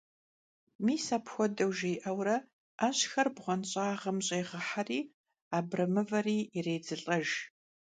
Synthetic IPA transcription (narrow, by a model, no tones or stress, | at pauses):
miːsaːpxʷɔdɐwʒejʔɐwrɐ | ʔaːɕxɐrbʁʷɔnɕʼaːʁɐmɕʼeːʁəħariː | aːbrɐmɨvɐriːreːd͡zɨɬʼɐʒ